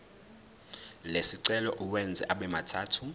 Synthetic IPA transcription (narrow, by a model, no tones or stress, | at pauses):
lesiǀɛlɔʔuwɛnd͡zʱɛ̰ʔaɓɛmatʰaːtʰu